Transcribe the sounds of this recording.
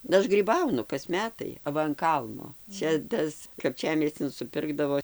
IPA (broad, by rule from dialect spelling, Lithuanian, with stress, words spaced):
ˈɐʃ ɡrʲiːˈbɐʊnʊ kɐs ˈmʲæːtɐɪ ɐˈʋɐ ɐn ˈkɐlˠnoː ˈt͡ʃʲɛ ˈtɐs kɐpʲˈt͡ʃʲæːmʲiɛsʲt͡sʲɪn sʊˈpʲɪrɡdɐʋoː